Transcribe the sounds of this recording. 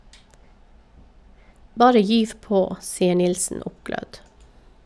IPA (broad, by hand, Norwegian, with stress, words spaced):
ˈbɑːɾə ˈjyːʋ ˈpoː ˈsiːə ˈɳɪlsn̩ ˈʊpˌɡlœd